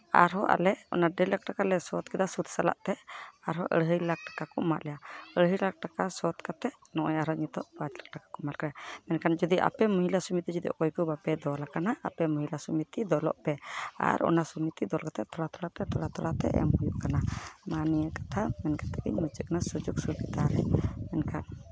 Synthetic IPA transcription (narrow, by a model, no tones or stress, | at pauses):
a̰ɾɦɔʔa̰lɛɔ̰naɖɛlak̚ʈakalɛsɔt̪̚kɛd̪asut̪sala̰ʔt̪ɛaɾɦɔʔə̰ɽɦəjlak̚ʈḁkakɔma̰ʔlɛjaəɽɦəjlak̚ʈakasɔt̪kat̪ɛʔ | nɔʔɔjaɾɦɔɲit̪ɔʔpad͡ʒlak̚ʈakḁkɔmalkajamɛnkand͡ʒɔd̪iʔa̰pɛmuɦilasumit̪id͡ʒud̪iʔɔ̰kɔjkubapɛd̪ɔlakanaa̰pɛmɔɦilasumit̪id̪ɔlɔ̰ʔpɛa̰ɾɔ̰nasumit̪id̪ɔlkat̪ɛt̪ʰɔɽat̪ɔɽap̪ɛt̪ʰɔɽat̪ɔɽat̪ɛ̰ʔɛ̰mhujuʔkanamanijəkḁt̪ʰamɛnkat̪ɛkḭɲmət͡ʃəkanasud͡ʒuk̚subid̪aɾɛ̰mɛnkʰan